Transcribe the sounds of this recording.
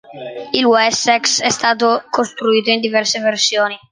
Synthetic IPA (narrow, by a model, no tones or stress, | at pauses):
ilwɛsɛksɛst̪aːt̪̬okost̪ɾuiːt̪oind̪ivɛrseversjoːni